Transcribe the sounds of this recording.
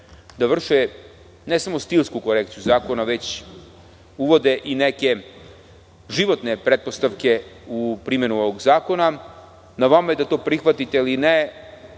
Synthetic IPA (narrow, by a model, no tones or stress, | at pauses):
d̪aʋr̩ʃe | nesamo̞st̪ilʲˠskuko̞ɾekt̪sijuzaːko̞naʋe̞t͡ɕ | uʋo̞d̪eʔineke̞ | ʒiʋo̞t̪nepɾet̪̚po̞st̪aʋke̞upɾime̞nuoʋoɡzaːko̞na | naʋamaje̞d̪at̪o̞ːpɾixʋat̪it̪eiline